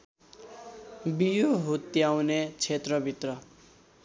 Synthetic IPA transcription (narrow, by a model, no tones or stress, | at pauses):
bijoɦut̪jawnet͡sʰet̪rʌbʱit̪rʌ